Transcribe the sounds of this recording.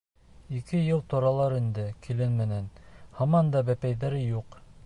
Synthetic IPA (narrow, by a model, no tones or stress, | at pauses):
ikɘjɤlˠt̪ŏɾɑlˠɑɾind̪ɘkʰilɘnmɘ̆nænhɑmɑnd̪ɑbæpæjðæɾɘjuq